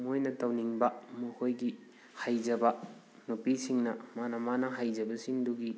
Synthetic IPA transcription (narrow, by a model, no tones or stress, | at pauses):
mojnɐtɐwniŋbɐmuhojɡi | hajd͡ʒɐbɐ | nupisiŋnɐmanɐmanɐɦajd͡ʒɐbɐsiŋduɡi